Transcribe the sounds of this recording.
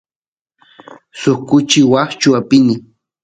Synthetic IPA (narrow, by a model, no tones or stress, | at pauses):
sokʊt͡ʃɪwaχt͡ʃʊapɪnɪ